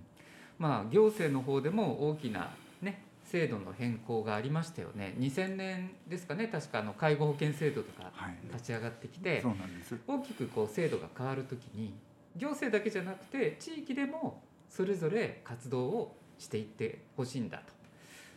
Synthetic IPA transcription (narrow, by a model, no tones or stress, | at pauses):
maːɡʲo̞ːse̞ːno̞ɦo̞ːd̪e̞mo̞oːkʲina̰ | ne̞ | se̞ːd̪o̞no̞̰hẽ̞ŋko̞ːɡaːɾʲimaɕi̥t̪ajo̰ne̞̰ɲ̟isẽ̞nːẽ̞nd̪e̞sɨ̥kane̞t̪aɕi̥kaːno̞kaiɡo̞ho̞kẽ̞ɰ̃se̞ːd̪o̞t̪o̞ka̰at̪at͡ɕiaɡat̪ːe̞kʲi̥t̪e̞onãnd̪eso̞ːkʲi̥kɯ̟ko̞ːse̞ːd̪o̞ɡa̰kaβaɾɯ̟t̪o̞kʲiɲ̟i | ɡʲo̞ːse̞ːd̪ake̞ʑanakɯ̟̥t̪e̞t͡ɕiːkʲid̪e̞mo̞ | so̞ɾe̞zo̞ɾe̞kat͡sɨd̪o̞ː | ɕi̥t̪e̞it̪ːe̞ho̞ɕiːnd̪a̰t̪o̥